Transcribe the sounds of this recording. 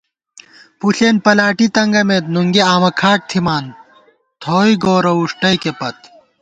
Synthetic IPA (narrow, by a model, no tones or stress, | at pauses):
puɬeːnpɐlaːʈit̪ɐŋɡɐmet̪nuŋɡiaːmɐkʰaːʈ̚t̪ʰimaːn | t̪ʰoːiɡoːɾɐuʂʈɐjkepɐt̪